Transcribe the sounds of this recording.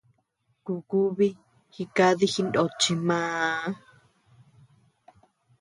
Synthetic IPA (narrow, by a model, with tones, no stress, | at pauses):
ku˧ku˦βi˦ | hi˧ka˦ði˦xi˧ndo˨t͡ʃi˧mãː˦